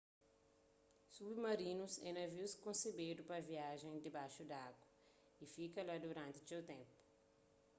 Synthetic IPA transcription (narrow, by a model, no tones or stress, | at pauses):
submɐɾinusɛ̰nɐviwskõnsebed̪upɐviaʒẽj̃d̪ɪbajʃud̪aɡwɐ | ifikɐlad̪uɾãnt̪ɪsewt̪ẽmpu̥